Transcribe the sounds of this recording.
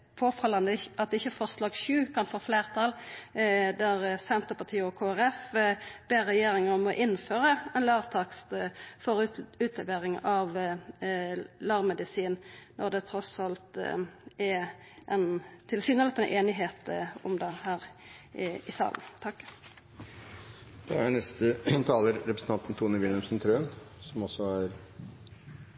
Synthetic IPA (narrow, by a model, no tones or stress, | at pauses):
pʰoːfɑlɑnd̪əɑt̪̚d̪ɛɪçːəfɔʁslɑːɡʃʉːkʰɑnfoːfleːʁt̪ʰɑl | d̪æʁsɛnt̪əʁpɑʁt̪ʰiːɔkʰoːæʁɛfb̥eːʁːɛjeːɾɪŋəmɔʔɪnføːʁəɛnlɑːʁt̪ʰɑkst̪fɔʁʉːt̪ʰlɛʋeːɾɪŋɑʋ | lɑːʁmɛd̪ɪsiːnnʔɔʁd̪ɛt̪ʰɾɔsɑlt̪ | æ | ʔɛnt̪ʰɪlsyːnəlɛt̪ənʔeːnɪɦeːt̪ɔmd̪ɑhæːɾ | ɪsɑ̰ːlnt̪ʰɑkː | d̪̥ɛænɛst̪ət̪ʰɑːləɾɾɛpɾəsn̩t̪ʰɑnt̪n̩t̪ʰuːnəʋɪlɛmsnt̪ʰɾøːnsɔmɔsɔæɾ